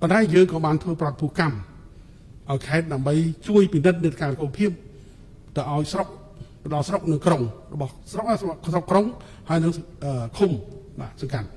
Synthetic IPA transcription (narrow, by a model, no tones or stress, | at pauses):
pont̪aɛjəːŋkɑːɓaːnt̪ʰʋəːprɔt̪̚pʰuəkam | ʔaɔjkʰaɛt̪̚ɗaəmɓəjt͡ɕuəjpinɨt̪̚nɨt̪̚kaːlkuːpʰiəp̚ | t̪ɨwʔaɔjsrok̚ | t̪əɗɑlsrok̚nɨŋkroŋrɔɓɑhsrok̚ːsrok̚kroŋ | haəjnɨŋʔəːkʰumɓaːsɑŋkat̪̚